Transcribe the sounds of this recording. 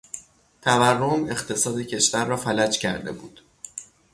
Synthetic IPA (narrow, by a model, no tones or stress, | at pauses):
t̪ʰæværːome̞χt̪ʰe̞sɒːd̪ecʰe̞ʃvæɾːɒːfælæd͡ʒcʰæɾd̪e̞̰buːd̪̥